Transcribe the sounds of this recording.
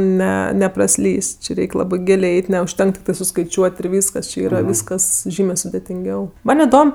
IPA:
ˈnʲɛ nʲɛprɐˈsʲlʲiːsʲ ˈt͡ʃʲɪ ˈrʲɛɪkʲ ˈlˠɑːbɜ ˈɡʲɪlʲeː ˈɛɪtʲ nʲɛʊʃʲˈtʲɛŋkɐ tʲɪkˈtɐɪ sʊskɐɪˈt͡ʃʲuɔtʲ ɪr ˈʋʲiːskɐs t͡ʃʲɪ ˈiːrɐ ˈʋʲiːskɐs ˈʒʲiːmʲeː sʊdʲɛtʲɪŋʲˈɡʲɛʊ ˈmɐnʲ ɪˈdoːm

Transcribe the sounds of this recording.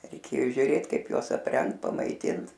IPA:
rʲɛɪˈkʲeːjoː ʒʲʊˈrʲeːt ˈkɐɪp ˈjuɔs ɐpʲˈrʲɛŋkt pɐmɐɪˈtʲɪnt

